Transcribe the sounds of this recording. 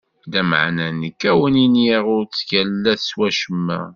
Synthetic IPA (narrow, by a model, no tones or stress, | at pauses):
d̪æmə̰ʕnænəkːæwəninjiʁʊɾt͡sːçælːæθswæʃəmːæ̰